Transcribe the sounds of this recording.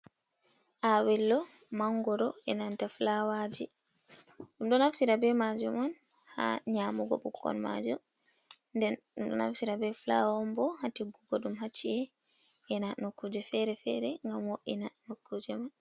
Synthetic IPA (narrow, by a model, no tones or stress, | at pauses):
ʔawɛlːɔmaŋɡɔɾɔɛnantaflawad͡ʒi | undɔnafsiɾabɛmad͡ʒumɔnha̰ɲamuɡɔ̰bukʰːɔ̰nma̰d͡ʒumndɛndɔ̰na̰fsiɾabɛflawɔmbɔhatiɡuɡɔɗumɦat͡ʃːiɛɛnanokːud͡ʒɛfɛɾɛfɛɾɛŋɡamwoʔɛnanokːud͡ʒɛman